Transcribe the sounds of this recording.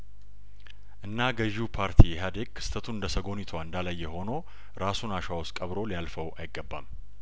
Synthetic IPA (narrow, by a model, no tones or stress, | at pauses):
ʔɨnːaɡəʒupʰaɾt̪ʰijɛɦad̪e̞ɡ̥̚kʰɨ̥st̪ʰət̪ʰuɨnd̪əsəɡo̞nɪt̪ʰaɨnd̪alajːɛho̞no̞ | ɾasunaʃawoskʼəβɾo̞lijalfəwʔajɪɡːəbːa̰m